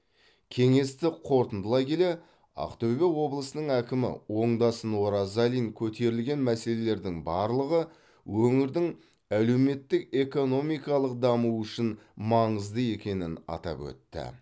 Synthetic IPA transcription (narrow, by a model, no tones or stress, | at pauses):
kʲʰe̞ŋe̞st̪ɪqʰo̞ɾt̪ənd̪əlˠɑjkʲe̞le̞ | ɑ̰qt̪ɵbe̞wo̞blˠəsənəɴækʲɪmɪ̰wo̞ɴd̪ɑsənwoɾɑzɑlijŋkʲʰɵt̪e̞ɾɪlɡʲe̞nmæse̞le̞le̞ɾd̪ɪŋbɑɾlˠəʁə | wɵŋɪɾd̪ɪŋ | æle̞wme̞t̪ːɪke̞ko̞no̞mijkɑlˠəq̚d̪ɑmuʏʃɪnmɑɴəzd̪əe̞kʲe̞nɪnɑ̰t̪ɑ̰pwɵ̰t̪ːɪ̰